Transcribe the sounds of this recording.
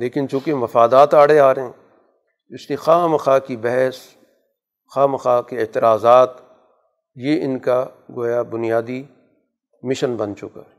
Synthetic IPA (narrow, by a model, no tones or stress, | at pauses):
leːkɪnt͡ʃũːkemɐfaːd̪aːt̪aːɽ̤eaːɾɐɦɛ̃ | ɪskexaːmɐxaːkibɛɦɛs | xaːmɐxaːkeɪːt̪ɪɾaːzaːt̪ | jeɪnka | ɡoːjabʊnijaːd̪i | mɪʃənbɐnt͡ʃʊka̰ː